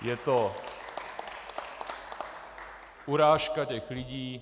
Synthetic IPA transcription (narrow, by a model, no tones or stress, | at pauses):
jɛt̪o | ʔuɾaːʃkacɛxlɪɟiː